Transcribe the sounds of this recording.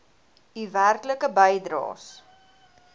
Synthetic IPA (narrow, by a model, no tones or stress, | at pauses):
iværkləkəbəjdɾɑ̰ːs